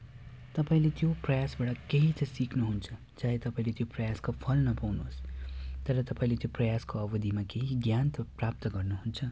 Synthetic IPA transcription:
t̪ʌpaĩlet̪joprʌjasbaɽʌkeɦit̪ʌsiknuɦunt͡sʰʌ | d͡zaɦet̪ʌpãĩlet̪joprʌjaskopʰʌlnʌpawnuost̪ʌɾʌt̪ʌpaĩlet̪joprʌjaskoʌbʌd̪ʱimakeɦiɡjant̪ʌpɾap̚t̪ʌɡʌɾnuɦunt͡sʰʌ

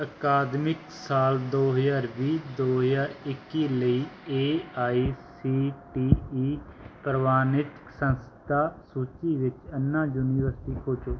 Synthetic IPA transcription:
əkaːd̪mɪk | saːld̪oːɦəzaːɾʋiːd̪oːɦəzaːɾɪkːiːləiːeːaːiːsiːʈiːiːpəɾəʋaːnɪt̪ksə̃nst̪ʰaːsuːt͡ʃiːʋɪt͡ʃənːãːjuːniːʋəɾsʈiːkʰoːt͡ʃoː

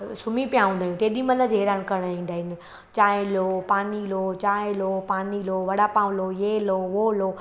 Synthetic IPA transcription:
sʊmipijaɦũːnd̪aɦɪnt̪eːɗimɐləd͡ʑeɦeɾaːñkɐɾɽ̃ĩːnd̪aːɦɪnɪ | t͡ɕaːɪlopaːnilot͡ɕaːɪlopaːniloʋɐɽapãːʋlojeːloːʋoːloː

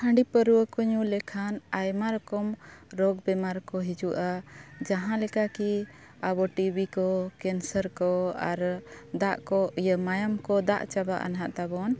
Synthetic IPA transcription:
hə̃ɳɖipəɾuəkɔɲulɛkʰanajmaɾɔkɔmɾɔɡbɛmaɾkɔɦid͡ʒuʔad͡ʒaɦãlɛkaki | abɔʈibikɔkɛnsəɾkɔaɾd̪aʔkɔijəmajamkɔd̪a̰ʔt͡ʃaba̰ʔa̰nɦaʔt̪abɔn

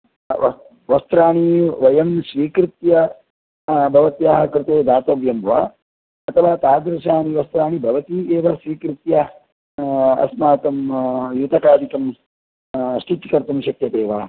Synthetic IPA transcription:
ʋɐst̪ɾaːɳiʋɐjɐmʃʋiːkɾɪt̪jɐ | bʱɐʋɐt̪jaːɦɐkɾɪt̪eːd̪aːt̪ɐʋjɐmʋa̰ː | ɐt̪ʰɐʋaːt̪aːd̪ɾɐʃaːniʋɐst̪ɾaːɳibʱɐʋɐt̪ieːʋɐʃʋiːkɾɪt̪jɐ | ɐ̰smaːt̪ɐmjut̪ɐkaːd̪ʱikɐm | ʃʈit̪ikɐɾt̪umʃɐkt̪jɐt̪eːʋaː

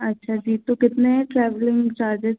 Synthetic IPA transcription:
ɐtːʃʰad͡ʒiːt̪okɪt̪nẽʈɾɛːʋlɪ̃ŋt͡ʃaːɾd͡ʒɪz

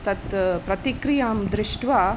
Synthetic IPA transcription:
t̪ɐt̪pɾɐt̪ikɾijaːmd̪ɾɪʂʈʋaː

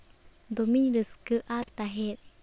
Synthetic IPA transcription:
d̪omiɾɯskɯʔat̪aɦe

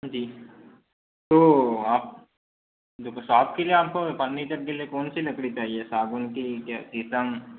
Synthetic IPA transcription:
d͡ʒiː | t̪oːaːp̚ | d̪ʊksaːp̚kelieaːp̚kopɐnːit̪ɐɾkeliekoːnsilɐkɽit͡ʃaːɦiesaːɡʊnkikjaːt̪isə̃ŋ

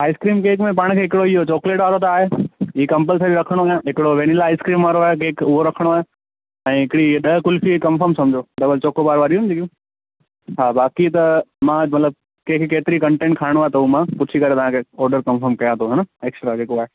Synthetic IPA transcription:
aːɪskɾiːmkeːkmẽp̬aːɽ̃kʰeːɦɪkɪɽoiɦot͡ɕɔːkleːʈʋaːɾot̪aːɦeiːkɐ̃mp̬əlsɐd͡ʑoɾɐkʰəɽ̃oɐjãɦɪkɪɽoʋeːnɪlaːɪskɾiːmʋaːɾoaːɦek̬eːkʊɦoɾɐkʰəɽ̃oaːɦe | ɛ̃ːɦɪkɪɽiɗɐɦkʊlfikɐmfəɾmsɐ̃md͡ʑʱoɖɐbəlt͡ɕoːkobaːɾʋaːɾiuʊnd͡ʑikjũ | ɦaːbaːkit̪ɐmãːmɐt̪ləb̚ | keːkkeːt̪ɪɾikɐ̃ɳʈẽːɳʈ̚kʰaːɪɽ̃oaːɦet̪ɐumãpʊt͡ɕʰikɐɾet̪ɐʋãkʰeːɔːɾɖəɾkɐ̃mfəɾmkɐjãt̪ʰoɦɛnəeːksʈɾad͡ʑeːkoaːɦe

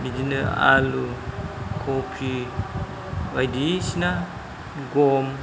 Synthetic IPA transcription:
bidinəa̰lu | kʰopʰi | bajdisina | ɡom

